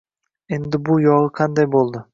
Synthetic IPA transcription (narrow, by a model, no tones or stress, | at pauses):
end̪ɪbujoʁəqʰɑnd̪ɑjbo̞lˠd̪ʊ